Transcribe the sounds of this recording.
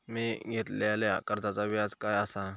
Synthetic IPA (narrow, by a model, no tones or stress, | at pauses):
miɡʱet̪lalja̰kəɾt̪at͡saʋad͡zkajasa